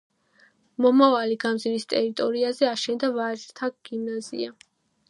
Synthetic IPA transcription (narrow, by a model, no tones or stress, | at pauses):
mɔmavaliɡamd̪ziɾist̪ʼɛɾit̪ʼɔɾiazɛaʃɛnd̪avaʒt̪ʰaɡ̥imnazḭa